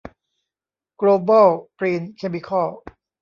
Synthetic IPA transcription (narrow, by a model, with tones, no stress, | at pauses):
kloː˧bɔ˥˩wkɾiː˧nkʰe˧mi˧kʰɔ˥˩